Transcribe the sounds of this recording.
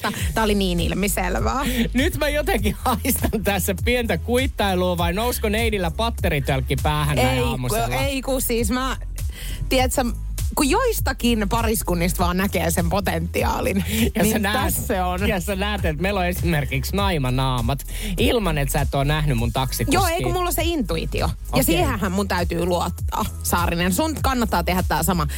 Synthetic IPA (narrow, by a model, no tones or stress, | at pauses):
t̪æːoliniːnḭlmisḛlʋæːnyt̪mæjot̪eŋkihɑist̪ɑnt̪æsːæpient̪ækuit̪ːɑiluːʋɑinouskoneinilːæpɑt̪ːeɾit̪yælkːipæːhæneeiɑmuseleikusiːsmæ | t̪iɛt̪sem | kujoist̪ɑkinepɑriskunːist̪ʋɑːnnækḛːsempot̪ent̪ːiɑ̰ːlinjɑnisenæːsseonjɑsenæːt̪et̪meiloesimerkiksnɑimɑnɑːmɑt̪ | ilmɑnet̪sæet̪ːoːnæhnymunt̪ɑksijoːeikumulːoseint̪uḭt̪ḭo̰ | jɑsiːhæ̃hæmmunt̪æyt̪yːluot̪ːɑ̰ː | sɑːrinensunkɑnːɑt̪ːɑːt̪ehæt̪ːæːsɑmɑ